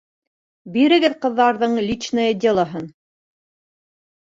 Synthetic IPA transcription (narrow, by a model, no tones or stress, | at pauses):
biɾɘ̆ɡɘðqɤ̆ðːɑɾðɤɴlʲit͡ʃnɤjed̪ʲelˠɑɦɤn